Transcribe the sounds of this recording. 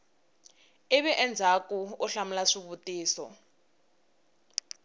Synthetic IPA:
iβɛʔɛnd͡zʱakuuɬamulaʂiβutiːsɔ

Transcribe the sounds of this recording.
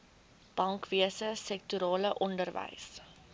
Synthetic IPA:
b̥ɐŋkviəsəsɛk̚tyɾɑːləʔɔndərvə̰js

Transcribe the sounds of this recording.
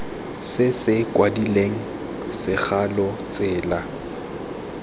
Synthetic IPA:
sɪsɪkʼwadileŋ̩ | sɪχalɔt͡sʼɪːla

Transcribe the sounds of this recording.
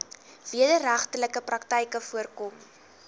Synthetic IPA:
v̥iədəɾæχtələkəprɐktəjkəfuərkɔm

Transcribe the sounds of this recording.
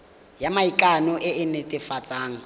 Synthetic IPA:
jamaikʼanʊʔɪɪnetʼɪfat͡sʼaːŋ̩

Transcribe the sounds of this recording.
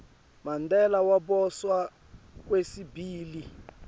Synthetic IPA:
mandɛlawaɓɔswa | k̬wesibiːli

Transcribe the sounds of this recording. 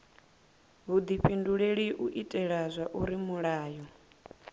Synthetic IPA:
ɦud̪iɸʰinduɺeɺiʔuʔitʼɛɺazʷaʔuɾimuɺaːjɔ

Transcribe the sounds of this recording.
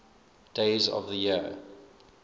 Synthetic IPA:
d̥eɪzə̰vðəjiə

